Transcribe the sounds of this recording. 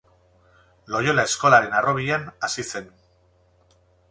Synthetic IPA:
lo̞jo̞lae̞sko̞laɾe̞naro̞βiʎanasise̞n

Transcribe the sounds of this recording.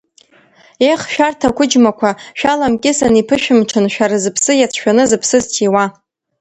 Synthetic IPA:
eχʃᶣartʰakʷʰʊd͡ʒmakʷʰaʃᶣalamkʲʼɪsanipʰɨʃᶣɪmʈ͡ʂʰɨnʃᶣaɾazɨpʰsɨjat͡sʰʃᶣanɨzɨpʰsɨztʰiwa

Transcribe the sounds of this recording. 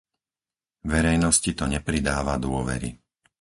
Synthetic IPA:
ʋɛɾɛjnɔscit̪ɔɲɛpɾid̪aːʋad̪ʊɔʋɛ̰ɾḭ

